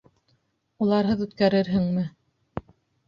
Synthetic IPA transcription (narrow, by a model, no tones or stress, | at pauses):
ulˠɑɾɦɤðʉt̪kæɾɘɾɦɘŋmɘ